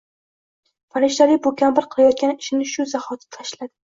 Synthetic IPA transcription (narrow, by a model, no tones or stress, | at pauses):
faɾɪʃt̪alɪbʊkʰʲambɪɾqʰɨlˠajɒt̪̚kʲanɪʃɪnɪʃʊzahɒt̪ʰɪ̥t̪ʰaʃlad̪ɪ